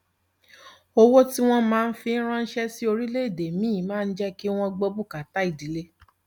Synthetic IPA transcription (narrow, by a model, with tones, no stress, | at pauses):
o˧wo˦ti˦w̃ɔ̃˧mãː˦˧n̩˦fĩ˧˦ɾ̃ã˦n̩˦ʃɛ˦si˦o˧ɾi˦le˦i˦˨de˨mĩ˦˨mãː˦˧n̩˦d͡ʒɛ˦ki˦w̃ɔ̃˧ɡ͡bo˧bu˦˨ka˨ta˨˦i˨di˨le˦